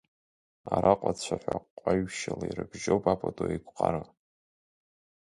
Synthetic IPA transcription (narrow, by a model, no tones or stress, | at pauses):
aɾʔaqʷʼat͡ɕʷʰaħʷaqʷʼːaɥʃalairɨbʒowpʼapʰʼadʼoikʷʼqʼaɾɨ